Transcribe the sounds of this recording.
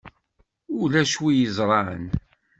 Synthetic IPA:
ʊlæʃwijəzˤɾˤɑʕə̰n

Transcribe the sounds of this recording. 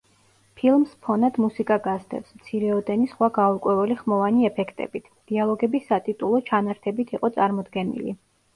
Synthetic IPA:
pʰilˠmspʰɔnad̪̥musikʼaɡazd̪ɛ̰psmt̪sʰiɾɛɔd̪ɛnisχwaɡaukʼwɛvɛliχmɔvaniɛpʰɛkʰt̪ʼɛ̰bit̪ʰd̪̥ialˠɔɡɛbisat̪ʼit̪ʼulˠɔt͡ʃʰanaɾt̪ʰɛbit̪ʰiqʼɔt̪sʼaɾmɔd̪ɡɛnḭlḭ

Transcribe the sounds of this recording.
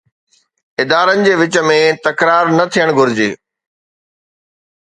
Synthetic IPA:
ɪd̪aːɾənɪ̆d͡ʑeːʋɪt͡ɕə̆mẽt̪ɐkɾaːɾnɐt̪ʰijəɽ̃ɡʱʊɾɪd͡ʑḛː

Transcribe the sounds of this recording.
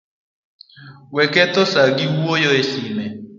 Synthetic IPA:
wɛkɛt̪ɔsaɡiwwojɔeɬimɛ

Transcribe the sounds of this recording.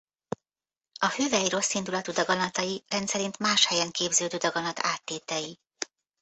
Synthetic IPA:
ɒføːvɛjɾo̞sːind̪ulɒt̪ud̪ɒɡɒnɒt̪ɒjirɛnt̪sɛɾint̪maːʃhɛjɛŋkeːbzøːd̪øːd̪ɒɡɒnɒt̪aːt̪ːeːt̪ɛji

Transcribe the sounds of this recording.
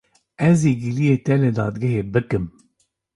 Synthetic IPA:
ɛzeːɡilijeːt̪ɛlɨd̪ɑːd̪ɡɛɦeːbɨkɨm

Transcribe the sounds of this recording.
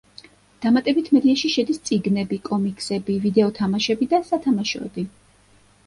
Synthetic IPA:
d̪̥amat̪ʼɛbit̪ʰmɛd̪iaʃiʃɛd̪ist̪sʼiɡnɛbikʼɔmikʼsɛbivid̪ɛɔt̪ʰamaʃɛbid̪asat̪ʰamaʃɔ̰ɛ̰d̪i

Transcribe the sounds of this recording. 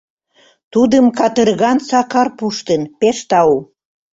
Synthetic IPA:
t̪ud̪əmkɑt̪ərɣɑnsɑkɑrpuʃt̪ənpeʃt̪ɑu

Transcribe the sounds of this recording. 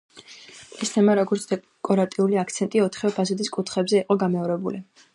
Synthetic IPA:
ɛst̪ʰɛmaɾɔɡɔɾt̪sʰd̪̥ɛ | kʼɔɾat̪ʼiuliakʰt̪sʰɛnt̪ʼiɔt̪ʰχɛvɛpʰazɛd̪iskʼut̪ʰχɛbzɛiqʼɔɡamɛɔɾɛbuli

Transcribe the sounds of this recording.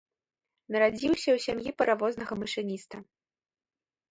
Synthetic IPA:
nɐɾad͡zʲiwsʲɐwsʲamjipɐɾavɔznɐɣɐmɨʂɨnʲist̪ɐ

